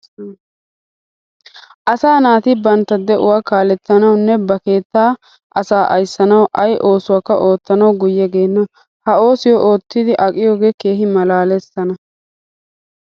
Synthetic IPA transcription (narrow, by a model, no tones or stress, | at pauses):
ʔɐsaːnaːt̪ɪbɐnt̪ːɐd̪ɛʔʊ̰wakaːlɛt̪ːɐnɐwnːɛbɐke̞ːt̪ːaː | ʔɐsaːʔɐjsːɐnɐwʔɐjʔo̞ːsʊwaːkːɐʔo̞ːt̪ːɐnɐwɡʊjːɛɡe̞ːnːɐ | hɐo̞ːsɪjɔʔo̞ːt̪ːɪd̪ɪʔɐkʼɪjo̞ːɡe̞ːke̞ːɦɪmɐlaːlɛsɐnɐ